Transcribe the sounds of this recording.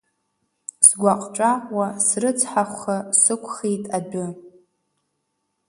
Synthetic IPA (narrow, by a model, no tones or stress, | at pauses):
sɡʷaqʼʈ͡ʂʼaqʷʼwasrɨt͡sʰʼħaχʷχasɨkʷʰʼχijtʼabʊ